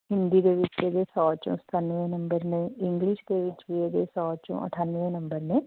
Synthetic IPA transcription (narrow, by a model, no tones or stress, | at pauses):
ɦɪ̃nd̪iːd̪eːʋɪt͡ʃeːd̪eːsɔːt͡ʃõ̰ːsə̥t̪ʰanʋẽːnəmbəɾnẽːɪ̃ŋɡlɪʃd̪eːʋɪt͡ʃʋieːd̪eːsɔːt͡ʃõ̰ːə̰ʈʰaːnʋẽːnəmbəɾnẽː